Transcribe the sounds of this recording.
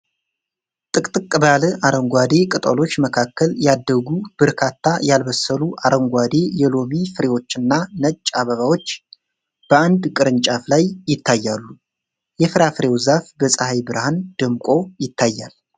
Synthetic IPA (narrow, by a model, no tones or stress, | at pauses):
t̪ʼɨkʼt̪ʼɨkʼːɨbalɨʔaɾəŋɡʷad̪e̞kʼɨt̪ʼolo̞t͡ʃːməkʰakːəljad̪ːəɡub̥ɨɾkʰat̪ʰːajalbəsəluʔaɾʔəŋɡʷwad̪e̞jɛlo̞mifɨɾe̞wo̞t͡ʃːɨnːanət͡ʃʼːaβəβawo̞t͡ʃː | b̥əand̪kʼɨɾɨnt͡ʃʼaflajːɪt̪ʰːajːalːu | jɛfɨɾafɨɾe̞wzafbəsʼahajbɨɾhand̪̥ɨmkʼo̞jɪt̪ʰːajːa̰l